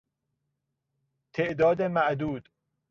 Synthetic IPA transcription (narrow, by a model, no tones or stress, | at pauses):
t̪ʰeʔd̪ɒːd̪emæʔd̪uːd̪̥